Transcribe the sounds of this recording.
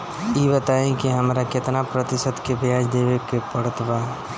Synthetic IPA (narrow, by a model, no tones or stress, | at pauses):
jibət̪aẽkiɦəmɾakɪt̪napɾət̪ɪsəd̪kebaːd͡ʒd̪eʋekepəɽət̪ʰba